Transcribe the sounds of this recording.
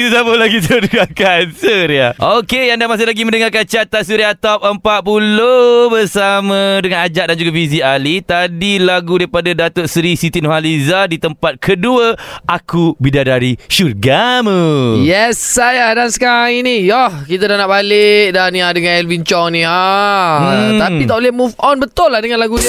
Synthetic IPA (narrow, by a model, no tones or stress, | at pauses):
it̪usabolaɡisurɡakansuɾiaʔokejaŋdamas̬ɪhlaɡimə̃ndəŋarkant͡ʃat̪asuɾiat̪ɔp̚əmpat̪̚pulobərsamə̃dəŋãnad͡ʒaʔ̚dand͡ʒuɡafis̬ialit̪adilaɡudaipadadat̪oʔsɾisit̪inoɦalizadit̪əmpat̪̚kʰəduəʔakubidadaɾiʃurɡaməjɛsːajadansə̥kaɾaŋinijɔhkit̪adanaʔbalɪk̚daniadəŋãnɛlvint͡ʃɔŋnĩa | t̪apit̪aʔbolehmufɔnbət̪ʊlːahdəŋãnlaɡudiə